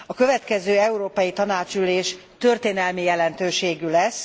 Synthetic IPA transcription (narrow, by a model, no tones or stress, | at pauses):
ɒkø̞vɛt̪kɛzøːɛuɾoːpɒjit̪ɒnaːt͡ʃyleːʃ | t̪ø̞rt̪eːnɛlmijɛlɛnt̪øːʃeːɡylɛs